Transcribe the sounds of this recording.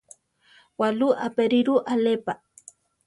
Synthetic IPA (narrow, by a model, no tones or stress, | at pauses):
waluʔapeɾiɾuʔalepa